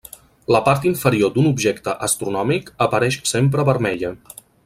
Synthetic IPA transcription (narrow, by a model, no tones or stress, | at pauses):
ləpaɾt̪iɱfəɾiod̪unubʒɛkt̪əʔəst̪ɾunɔmikəpəɾɛʃsempɾəβəɾmɛʎə